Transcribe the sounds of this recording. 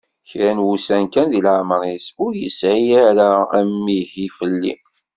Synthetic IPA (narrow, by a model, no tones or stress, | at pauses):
çɾænwusænkænðilaʕməɾisʊɾjəsʕijæɾaæmːihifəlːḭ